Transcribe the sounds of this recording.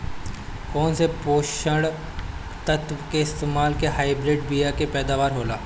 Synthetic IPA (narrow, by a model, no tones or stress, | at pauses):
koːnsepoːʃəɽ | t̪ət̪ʋkeɪst̪eːmaːlkeɦaːɪbɾɪɖbijakepɛːd̪aːʋaːɾɦoːlaː